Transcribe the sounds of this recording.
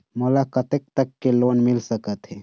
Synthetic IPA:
molakət̪ek̚t̪əkːeloːnmilsəkət̪ɦɛː

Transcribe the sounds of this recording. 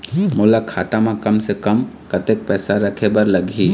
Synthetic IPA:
mʊːlakʰaːt̪amãkɐmsekɐm | kɐt̪ek̚pɛːsaɾɐkʰebɐɾlɐɡʱiː

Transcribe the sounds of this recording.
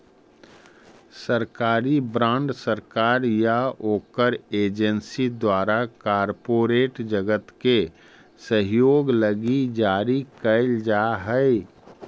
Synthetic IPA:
səɾkaːɾibɾãːɳɖsəɾkaːɾjaoːkəɾeːd͡ʒənsid̪waːɾakaːɾpoːɾeːʈd͡ʒəɡət̪ke | səɦjoːɡləɡid͡ʒaːɾikəɪld͡ʒaɦəɪ

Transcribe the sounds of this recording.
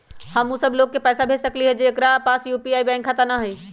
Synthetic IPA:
hɐmːusɐbloːɡ̚kepɛːsabʱeːssɐkliɦɛd͡ʑeːkɾapaːsjuːpiaːibɛ̃ːŋkʰːat̪ənaɦeː

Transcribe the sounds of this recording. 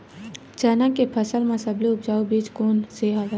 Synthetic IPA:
t͡ʃənakepʰəsəlmãsɐbliʊpd͡ʒaːubiːt͡ʃkoːnseːɦaʋə

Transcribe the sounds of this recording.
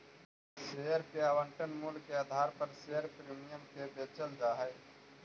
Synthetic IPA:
sejəɾkeaːwə̃ɳʈənmuːlkeaːd̪ʱaːɾpəɾseːjəɾpɾiːmijəmkebeːt͡ʃəld͡ʒaːɦɛː

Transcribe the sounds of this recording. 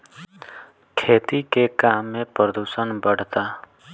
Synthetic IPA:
kʰeːt̪ikekaːmːẽpɾəd̪uːsənbəɽ̤t̪aː

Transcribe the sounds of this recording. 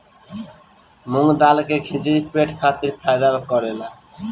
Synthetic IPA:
muŋd̪alkeɡʱid͡ʑeipeʈkʰat̪iɾpʰajd̪aokɔɾela

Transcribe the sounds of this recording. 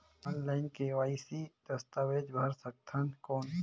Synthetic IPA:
ɔːnlaːɪnkeʋaːisid̪̥ɐst̪awed͡ʒbʱɐɾsək̚t̪ʰɐnkoːn

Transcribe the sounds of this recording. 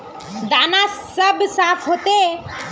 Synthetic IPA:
d̪aːnasəbsaːfʰɦoːt̪e

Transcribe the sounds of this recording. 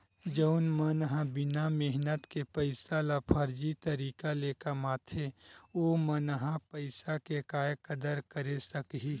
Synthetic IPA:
d͡ʒəʊnmənɦãbɪnamɪɦnət̪kepəɪsalapʰəɾd͡ʒit̪əɾiːkaleːkamaːt̪ʰeoːmənɦãpəɪsakekaːjkəd̪əɾkəɾesəkɦiː

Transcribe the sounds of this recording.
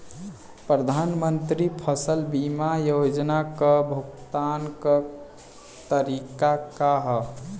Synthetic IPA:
pɾəd̪ʱanmənt̪ɾipʰəsəlbimajod͡ʒnakəbʱuɡt̪ankə | t̪əɾikakaɦ

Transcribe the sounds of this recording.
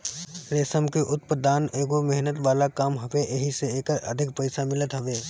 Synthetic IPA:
ɾeːsəmkeʔʊt̪̚pəd̪aːneːɡomɛɦnət̪ʋaːlakaːmɦɐʋeʔeɦiseeːkə̰d̪ʱɪk̚pəɪsamɪlət̪ɦɐʋeː

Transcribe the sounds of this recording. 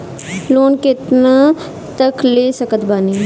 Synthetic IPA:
loːnkɪt̪na | t̪əkleːsəkət̪baːniː

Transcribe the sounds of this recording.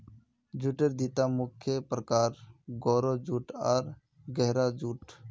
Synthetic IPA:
d͡ʒuːʈəɾd̪iːt̪aːmʊkʰːjəpɾəkaːɾɡoːɾoːd͡ʒuːʈaːɾ | ɡɛɦɾaːd͡ʒuːʈ

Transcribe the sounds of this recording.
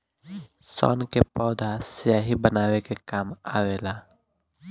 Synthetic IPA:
sɔ̰ːnkepɔːd̪ʱasɪjaːɦibənaːwekekaːmaːweːlaː

